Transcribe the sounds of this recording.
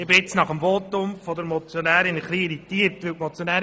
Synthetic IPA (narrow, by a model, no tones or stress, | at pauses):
ɪbɪɪt͡snɑχəmvoːtʊmfod̪əɾmɔt͡sjonæːɾɪnχliɪɾitiːəɾtʋɪwtmɔt͡sjonæː